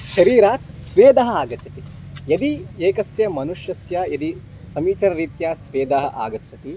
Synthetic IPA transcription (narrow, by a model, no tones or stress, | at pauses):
ʃɐɾiːɾaːt̪̚sʋeːd̪ɐɦɐaːɡɐt͡ʃʰɐt̪ijɐd̪ieːkɐsjɐmɐnuʃjɐsjɐjɐd̪i | sɐmiːt͡ʃɐɾɐɾiːt̪jaːsʋeːd̪aːɦɐʔa̰ːɡɐt͡ʃʰɐt̪i